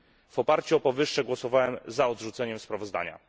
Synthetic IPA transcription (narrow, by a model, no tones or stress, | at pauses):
v̥ɔpaɾt͡ɕuɔpɔvɘʂːɛɡwɔsɔvawɛmzaɔd̪ʐut̪sɛɲɛmspɾavɔzd̪a̰ɲa̰